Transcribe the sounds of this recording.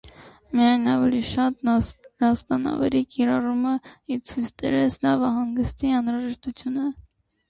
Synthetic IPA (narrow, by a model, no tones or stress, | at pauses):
mijɑjnɑvɛliʃɑt̪nɑst̪ɑnɑ̰vɛ̰ɾikiɾɑruməit͡sʰujst͡sʰt̪ɛ̰ɾɛslɑvɑɦɑŋɡəst̪iɑnɾɑʒɛʃt̪ut͡sʰjunə